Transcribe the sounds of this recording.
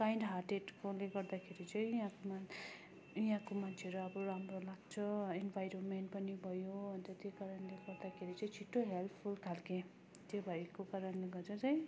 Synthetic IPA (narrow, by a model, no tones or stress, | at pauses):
kajnɖɦarʈeʈkoleɡʌrd̪akʰeɾit͡sʌj̃ɦãkoma | iɦãkomant͡sʰeʌɾuʌbʌɾamrolaɡ̚t͡sʰʌinbʱajɾonmeɳʈpʌnibʱʌjoɦʌnt̪ʌt̪jokaɾʌnleɡʌɾd̪akʰeɾit͡sʌj̃t͡sʰiʈːoɦelp̪ʰpʰulkʰalkẽ | t̪jobʱajkokaɾʌnleɡʌrt͡sʰʌt͡sʌj̃